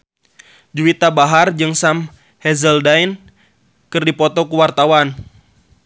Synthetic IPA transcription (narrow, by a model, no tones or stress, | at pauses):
d͡ʒuwit̪abaɦard͡ʒɨŋsam | hɛzəldain | kɨrdipɔt̪ɔkuwart̪awan